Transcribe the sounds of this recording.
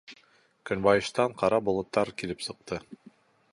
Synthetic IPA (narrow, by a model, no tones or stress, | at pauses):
kɵ̆nbɑjɤ̆ʃt̪ɑɴqɑɾɑbŏlˠŏt̪ːɑɾkilɘpsɤ̆q̚t̪ɤ